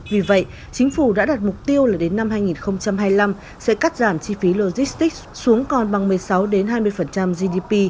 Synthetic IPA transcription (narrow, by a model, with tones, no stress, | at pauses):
vi˨˩və̰˧˨jʔ | t͡ɕï˨˦ŋ̟fu˧˩ɗa̰ː˧˥ɗaː˨˩t̚mʊ˨˩k͡p̚t̪i˧əwlaː˨˩ɗe˨˦nːa˧mɦaː˧jŋi˨˩nxə˧wŋ͡mt͡ɕa˧mɦaː˧jla˧m | sɛ̰˧˥kaː˦˥t̚zaː˧˩mt͡ɕi˧fi˨˦lo˧zi˦˥st̪i˦˥k̚su˨˦əŋkɔ˨˩nɓa˨˩ŋmɨ˨˩əjsa˨˦wɗe˨˦nɦaː˧jmɨ˧əjfə˨˩nt͡ɕa˧mzi˧ɗi˧pi˧